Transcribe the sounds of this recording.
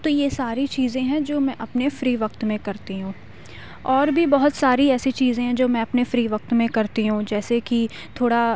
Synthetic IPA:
t̪oːjesaːɾit͡ʃiːzẽɦɛ̃d͡ʒoːmɛ̃ʔɐpnefɾiːʋɐk̚t̪mẽkɐɾt̪iɦũː | ɔːɾbʱibɐɦʊt̪saːɾiɛːsit͡ʃiːzẽɦɛ̃d͡ʒoːmɛ̃ɐpnefɾiːʋɐk̚t̪mẽkɐɾt̪iɦũːd͡ʒɛːseki | t̪ʰoːɽa

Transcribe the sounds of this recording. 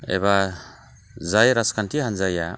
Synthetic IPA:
ḛba | zajɾaskʰantʰihanzaja

